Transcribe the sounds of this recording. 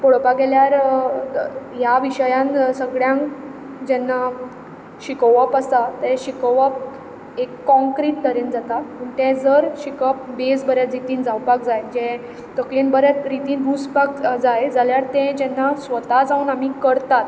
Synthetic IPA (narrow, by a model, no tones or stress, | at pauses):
poɽpaɡɛljaɾ | jaʋiɕəjãnsəɡɭjãŋk | d͡ʑɛnːa | ɕikəʋapəst̪at̪ɛ̃ɕikəʋap̚ | ekːɔ̃ŋkɾiːʈ̚t̪əɾend͡zat̪amuɳt̪ɛ̃d͡zəɾɕikəp̚besbəɾjat͡sɾit̪iːnd͡zawpak̚d͡zajd͡ʑɛ̃ | t̪əklinbəɾjat͡sɾit̪iːnbʱuspakd͡zajd͡zaljaɾt̪ɛ̃d͡ʑɛnːasʋət̪ad͡zauːnam̤ikəɾt̪at̪